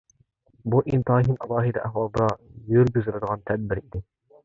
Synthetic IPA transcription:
buʔint̪ɨɦinʔɑlˠɑːɦid̪ɛʔæ̰hwɑlˠd̪ɑjøɾɡʲyzɨɾɨd̪əʁɑnt̪ʰɛd̪̚bɪɾid̪ɪ

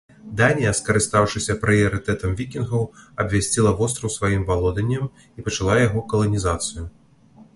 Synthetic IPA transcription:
d̪anʲijɐskɐɾɨst̪awʂɨsʲɐpɾɨjɐɾɨt̪ɛt̪ɐmvʲikʲinɣɐwɐbvʲasʲt͡sʲilˠɐvɔst̪ɾɐwsvajimbalˠɔd̪ɐnʲːɐm | ipɐt͡ʂalˠajaɣɔkɐlˠɐnʲizat̪sɨju

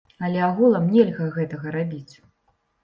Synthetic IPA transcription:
ɐlʲɛaɣulˠɐmnʲɛlʲɣɐɣɛt̪ɐɣɐɾabʲit͡sʲ

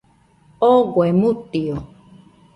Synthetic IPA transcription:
oɡwemũt̪io

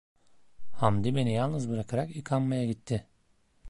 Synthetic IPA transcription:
hamd̪ibe̞nijalˠnɯzbɯɾakʰaɾakikʰammajaɟit̪ʰːɪ

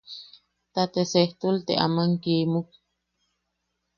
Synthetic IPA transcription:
t̪at̪eseht̪ult̪eʔa̰maŋkiːmuk̚

